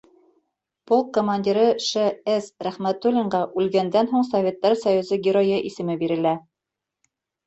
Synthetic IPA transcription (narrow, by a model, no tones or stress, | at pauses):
polˠkːomanʲdʲiɾɤʃɘesɾæχmæt̪ulʲiɴɢɑʔʉlɡænd̪ænɦuɴsɐvʲet̪ːɑɾsɐjuzɤɡʲɪɾojɤʔisɘ̆mɘbiɾɘ̆læ